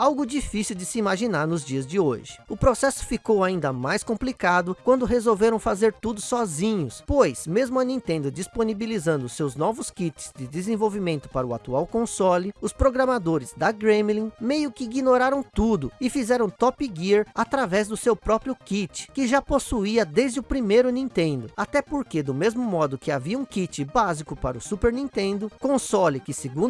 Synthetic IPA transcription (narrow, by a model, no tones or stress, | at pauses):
awɡʊd͡ʒifisiwd͡ʒɪsɪimaʒinaɾnʊzd͡ʒiɐzd͡ʒɪo̰ʒɪ̥ʊpɾosɛsʊ̥fikowaĩnd̪ɐmajskõplikad̪ʊkwɐ̃nd̪ʊɦezowveɾɐ̃w̃fazeɾt̪ud̪ʊsɔzĩɲʊspojsmezmʊɐnĩnt̪ẽnd̪ʊd͡ʒisponibilizɐ̃nd̪ʊsewznɔvʊskit͡ʃɪ̥z̥d͡ʒɪd̪ɪzẽvowvimẽnt̪ʊ̥paɾɐʊa̰t̪uawkõsɔlɪʊspɾoɡɾɐmad̪oɾɪzd̪ɐɡɾẽmlĩmejʊkɪiɡinoɾaɾɐ̃w̃t̪ud̪ʊɪfizɛɾɐ̃w̃t̪ɔpiɡiɾat̪ɾavɛzd̪ʊsewpɾɔpɾjʊkit͡ʃɪ̥kɪʒaposuiɐd̪ezd͡ʒɪʊpɾimejɾʊnĩt̪ẽnd̪ʊat̪ɛpoɾked̪ʊmezmʊmɔd̪ʊkɪaviɐũkit͡ʃɪbazikʊpaɾʊsupeɾnĩnt̪ẽnd̪ʊkõsɔlɪkɪseɡũ